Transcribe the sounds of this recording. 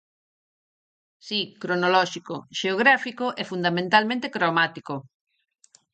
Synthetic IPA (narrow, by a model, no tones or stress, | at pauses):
sikɾonolɔʃikoʃeoɣɾafikoʔɛfund̪amẽnt̪almẽnt̪ekɾomat̪iko